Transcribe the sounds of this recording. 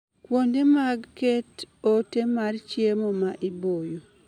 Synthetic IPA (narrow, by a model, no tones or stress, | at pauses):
kwondemaɡketotemart͡ʃjemomaʔibojo